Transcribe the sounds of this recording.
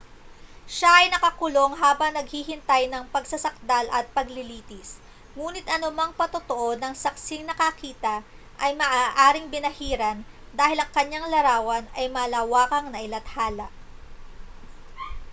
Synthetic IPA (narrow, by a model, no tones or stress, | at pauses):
ʃaʔɐjnɐkɐkʊlo̞ŋɦaːbɐŋnɐɡ̚hihɪnt̪ajnɐŋpɐɡsɐsɐk̚d̪alʔɐ̰t̪̚pɐɡlɪliːt̪ɪs | ŋuːnɪt̪ʔɐnʊmaŋpɐt̪ot̪oʔo̞d̪ɐŋsɐk̚sɪŋnɐkɐkiːt̪ɐ | ʔɐjmɐʔaːʔaːɾɪŋbɪnɐhiːɾɐn | d̪aːhɪlɐŋkɐɲaŋlɐɾaːwɐnɐjmɐlaːwaːkɐŋnɐʔɪlɐt̪̚haːlɐʔ